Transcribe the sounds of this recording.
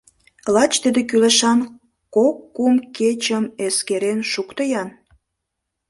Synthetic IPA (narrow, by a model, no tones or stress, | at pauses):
lɑt͡ɕt̪əd̪ek̬yleʃɑn | kokːumket͡ɕəmeskeɾenʃukt̪əjɑn